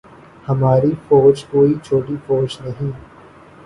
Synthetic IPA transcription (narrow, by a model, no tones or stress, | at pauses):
hɐmaːɾifoːd͡ʒkoːit͡ʃʰoːʈifoːd͡ʒnɐɦĩ